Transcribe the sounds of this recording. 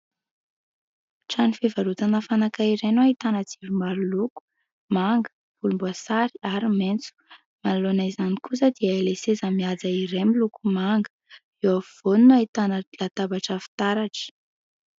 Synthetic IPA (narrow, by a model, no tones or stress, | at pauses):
ʈ͡ʂanifevaɾut̪anəfanakaiɾenuait̪anəd͡zivimaɾuluku̥ | maŋɡə̥ | v̥ulumbuasaɾiaɾiment͡su̥ | manlonajzanikusəd̪iəelesezamiad͡zaiɾemilukumaŋɡə | ewav̥onunait̪anəlat̪abaʈ͡ʂəfi̥t̪aɾaʈ͡ʂə̥